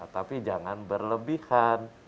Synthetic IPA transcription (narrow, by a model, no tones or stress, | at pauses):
t̪apid͡ʒaŋanbərləbihan